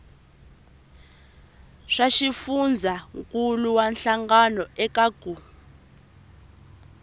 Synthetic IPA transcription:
ʂaʃifund͡zʱaŋkʼuluwanɬaŋɡanɔɛkaɡ̥ʱu

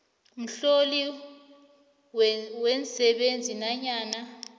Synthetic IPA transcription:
m̩ɬoli | wɛnsɛɓend͡zʱinaɲaːna

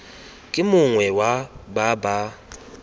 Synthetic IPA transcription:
kʼɪmʊŋwɛwababa

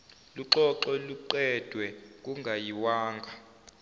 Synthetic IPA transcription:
luǃɔǁɔluǃɛd̥ʱwɛk̬ʼuŋɡʱajiwaːŋɡʱa

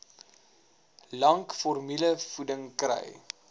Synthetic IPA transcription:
lɐŋkfɔrmiləfudəŋkrə̰j

